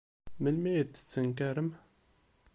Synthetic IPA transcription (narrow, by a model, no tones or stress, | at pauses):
məlmæjdə̥t͡sːəŋk̬æɾəm